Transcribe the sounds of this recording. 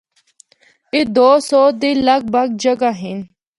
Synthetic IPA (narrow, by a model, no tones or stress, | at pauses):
id̪oːsoːd̪ilɐk̚bɐɡ̚d͡ʑɐɡaɦin